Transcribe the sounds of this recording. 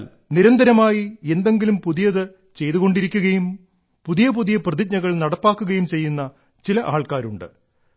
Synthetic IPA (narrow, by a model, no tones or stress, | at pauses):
l | niɾɐnd̪ʱɐɾɐmaːjie̞nd̪e̞ŋɡilumpuðijɐðɨ | t͡ɕe̞jðuɣo̞ɳɖiɾikʲːuɣɐjum | puðijɐpuðijɐprɐðik̚ɲɐɣɐɭnɐɽɐpːaːkːuɣɐjumt͡ɕe̞jːunːɐ | t͡ɕilɐʔaːɭkaːɾuɳɖɨ̰